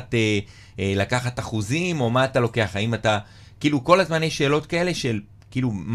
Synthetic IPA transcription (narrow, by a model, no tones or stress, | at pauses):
te | elakaχataχuzimo̞maːtalo̞ke̞aχaimata | kiːluko̞lazmanjejʃe̞ːlo̞tkae̞le̞ʃel | kiːlum